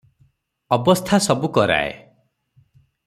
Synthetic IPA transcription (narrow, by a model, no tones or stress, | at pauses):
ɔbɔst̪ʰasɔbukɔɾa̰ḛ